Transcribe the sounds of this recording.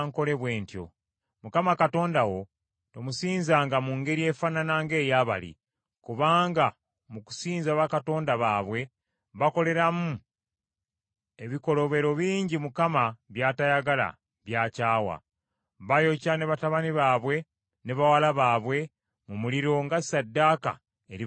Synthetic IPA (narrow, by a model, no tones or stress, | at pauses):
ŋko̞le̞βwe̞ːntjo̞̰ | mukamakato̞ːndawo̞ | to̞musiːnzaːŋɡamuŋɡe̞ɾie̞fananaŋɡe̞ːjaːβa̰lḭ | kuβaːŋɡa | muku̥siːnzaβakato̞ːndaβaːβwe̞ | βako̞le̞ɾamu | e̞βiko̞lo̞βe̞ɾo̞βiːɲɟimukamaβjaːtajaɡala̰ | βjaːcaːwa̰ | βajo̞cane̞βataβaniβaːβwe̞ | neβawalaβaːβwe̞ | mumuliɾo̞ŋɡasadːaːka̰ | eɾi